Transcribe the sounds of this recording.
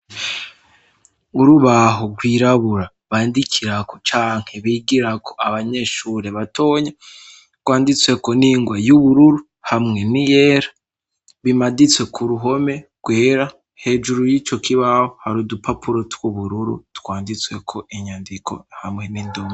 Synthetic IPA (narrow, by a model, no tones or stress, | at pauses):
uɾuβaɦoɡwiːɾaβuɾa | βaːndikʰiɾako̞̥t͡ʃaːŋ̥he̞βiːɡiɾakʰo̞̥aβaɲe̞ʃuɾe̞βatʰo̞ːɲa | ɡ̥waːndit͡swe̞ko̞niŋɡwajuβuɾuɾu | hamŋe̞nije̞ɾḁ | βimadit͡swe̞kʰuɾuɦo̞me̞ɡ̥weːɾa | he̞ːd͡ʒuɾujit͡ʃo̞kʰiβahohaɾudupapuɾo̞tʰwuβuɾuɾṵtkwaːndit͡swe̞kʰo̞ʔiɲaːndikʰo̞̰hamŋe̞ninduma